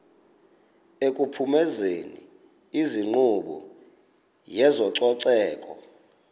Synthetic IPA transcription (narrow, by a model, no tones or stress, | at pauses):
ekʼupʰumɛzenḭ | iziŋ͡ǃuɓɔ̰ | jɛzɔǀɔǀɛːkʼɔ̰